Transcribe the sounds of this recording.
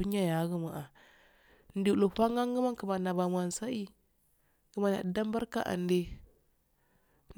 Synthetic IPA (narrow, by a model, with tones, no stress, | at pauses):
u˦n˦a˦ja˨˦ɡə˦ma˨ʔa˨ | n̩˦di˨lo˨ɸa˦ŋɡa˦ŋɡə˦ma˦ŋkə˨ma˨na˨ba˨mwa˨n˨sa˦i˦ | ɡə˦˨ma˨na̰˨da˦m˦ba˦ɾka̰˦ʔa̰˨nde˦